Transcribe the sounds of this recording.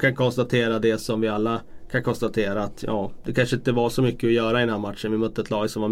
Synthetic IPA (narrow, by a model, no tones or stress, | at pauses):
kʰankʰɔnst̪at̪ʰeːɾad̪ɛsɔmvɪalːakʰankʰɔnst̪at̪ʰeːɾaːt̪ʰjɑːd̪̥ɛkʰanʂəɪnt̪əvaʂɔmʏkːəɔjœːɾaɪd̪ɛnhæːɾmat̪ʂənvɪmœt̪ːəɛt̪lɑːɡsɔmvaɾ